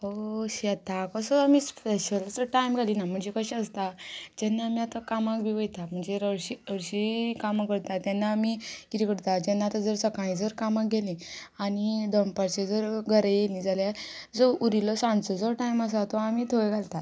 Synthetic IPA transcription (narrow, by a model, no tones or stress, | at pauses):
oɕɛt̪akəsəamisppeɕəlsəʈajmɡʱalinam̤əɳd͡ʑekəɕɛəst̪ad͡ʑɛnːaamiat̪akamakbʱiʋəjt̪am̤əɳd͡zeɾəɕiəɾɕikamakəɽt̪at̪jɛnːaːmikit̪ikəɽt̪ad͡ʑɛnːat̪əd͡zəɾsəkãĩd͡zəɾkamak̚ɡʱelĩ | anid̪ɔmpaɾt͡ɕed͡zəɾɡʱəɾejelĩd͡zaljad͡zouɾilɔsãɳt͡sɔd͡zɔʈajməs̬at̪ɔamit̪ʰoeɡʱalt̪a